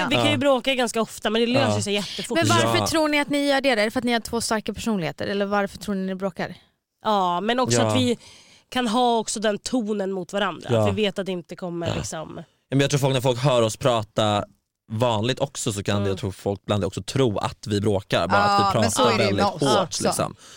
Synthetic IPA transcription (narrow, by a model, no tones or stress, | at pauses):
vɪkʰanjɵbɾoːkaɡanskaɔft̪amɛnd̪ɛløːsjsɛjɛt̪ːəfʊmɛnvaɾfœtʰɾuːɳɪat̪nɪjœːɖeːɾaɛɾfœɾat̪nɪhaʈʰvoːst̪aɾkapʰæʂuːnlɪheːt̪ə̰ɾɛlːəɾvaɾfœʈʰɾuːɳɪnɪbɾoːka̰ɾ | ʔɑːmɛnɔksɔavɪ | kʰanɦɑːɔksɔd̪ɛnt̪ʰuːnənmʊt̪vaɾand̪ɾa̰vɪveːt̪at̪d̪ɛɪnt̪əkʰɔmːəlɪ̰ksɔm | jɑːmɛnjɑt̪ʰɾuːfɔlknɾfɔlkɦœːɾɔspʰɾɑːt̪aɾ | vɑːnlɪɡ̚t̪ɔksɔsɔkʰand̪ɛjat̪ʰɾuːfɔlk̚bland̪ɛɔksɔt̪ʰɾuːa̰t̪vɪbɾoːka̰ɾbɑːɾatvɪpʰɾɑːsɔvɛld̪ɪt̪hoːʈlɪksɔ̰m